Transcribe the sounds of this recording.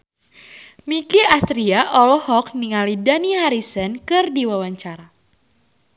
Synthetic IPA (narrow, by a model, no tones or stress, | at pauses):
mikiast̪ɾiaʔɔlɔhɔk̚niŋalidanihaɾisənkɨrdiwawaɲt͡ʃaɾa